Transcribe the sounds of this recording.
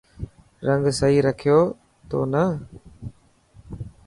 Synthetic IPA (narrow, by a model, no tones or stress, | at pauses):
ɾəŋɡsəɦiːɾəkʰɪjoː | t̪o̰ːnə